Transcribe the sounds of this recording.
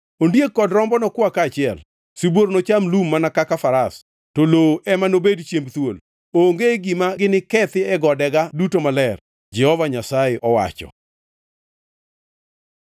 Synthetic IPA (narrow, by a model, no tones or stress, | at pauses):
ondjekːɔdɾɔmbɔnɔkwakaːt͡ʃɪɛl | sibwoɾnot͡ʃamlumːanakakafaɾas | toloʔɛmanobedt͡ʃjembt̪wol | oŋɡeɡimaɡɪnɪkɛt̪ɪɛɡɔdɛɡadutomalɛr | d͡ʒɛhɔvaɲasaeʔɔwa̰t͡ʃɔ̰